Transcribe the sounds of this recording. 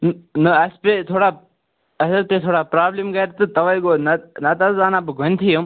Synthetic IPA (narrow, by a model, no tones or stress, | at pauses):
nnɨɐspet̪ʰoːɽaː | ɐsɐɾp̪et̪ʰoːɽaːpɾaːblimɡɐjɾt̪ɨt̪ɐʋɐjɡoːnɐnɐt̪ɐzaːnaːbɨɡʱont̪ʰijɐm